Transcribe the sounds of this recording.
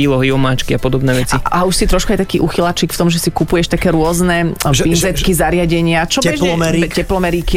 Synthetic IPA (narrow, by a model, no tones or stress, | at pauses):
iːlɔɦiɔmaːt͡ʃkiapɔd̪ɔbnɛːʋɛt͡siauʃsit̪ɾɔʃkajt̪akiːʔuxilat͡ʃikft̪ɔmʒɛsikupujɛʃt̪akɛːɾʊɔznɛpinzɛt̪kizaɾɪaɟɛɲɪat͡ʃɔɛʒɛɾcɛplɔmɛɾiki